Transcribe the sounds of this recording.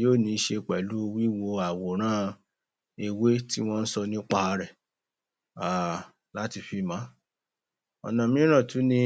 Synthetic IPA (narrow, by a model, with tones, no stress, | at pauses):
joː˦˨nĩ˧˦ʃe˧k͡pɛ˨lu˨˦˧wi˦wo˧a˨wo˨ɾ̃ã˦ | e˧we˦ti˦w̃ɔ̃˦n̩˦sɔ˧nĩ˦k͡pa˧a˧ɾɛ˨ | a˨ | la˦ti˧fi˧mã˨˦ | ɔ̰˨nã˨mĩ˦ɾ̃ã˦˨tu˨˦nĩ˧